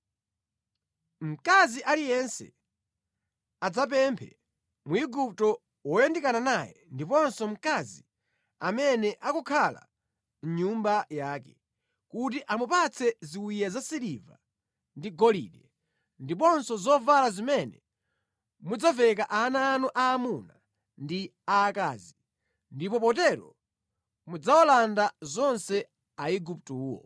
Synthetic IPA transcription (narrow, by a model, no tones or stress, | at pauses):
m̩kaziʔalijɛnsɛ̰ | ad͡zap̬ɛmpʰɛ̰ | muiɡup̚tɔ | wɔjɛndikananajɛ̰ndipɔnsɔm̩kazi | amɛnɛʔakɔkʰala̰ | n̩ɲumbajaːkɛ | kutiʔamupat͡sʰɛziwijazasiliva̰ | ndiɡɔlḭɗɛ | ndip̬ɔnsɔzɔvalazimɛnɛ | mud͡zavɛk̬aʔanaːnuʔaːmuna | ndiaːkaːzi | ndipɔp̬ɔtɛɾɔ̰ | mud͡zaɔlandazɔnsɛ | aiɡup̚tuːwɔ̰